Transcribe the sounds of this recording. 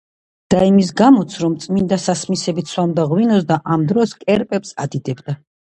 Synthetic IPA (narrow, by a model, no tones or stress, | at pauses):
d̪̥aimis̬ɡamɔt̪sʰɾɔmt̪sʼmind̪asasmisɛbit̪sʰwamd̪aʁwinɔsd̪aʔamd̪ɾɔskʼɛɾpʼɛpsad̪id̪ɛbd̪a